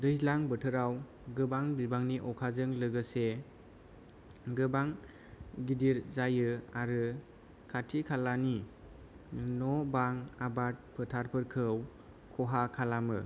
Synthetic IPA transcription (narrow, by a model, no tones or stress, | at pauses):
dɯjzlaŋbɯtʰɯɾaw | ɡɯbaŋbibaŋniʔɔkʰazɯŋlɯɡɯse | ɡɯbaŋ | ɡidiɾzajɯaɾɯ | kʰatʰikʰalani | nɔbaŋabat̚pʰɯtʰaɾpʰɯɾkʰɯw | kʰɔɦakʰalamɯ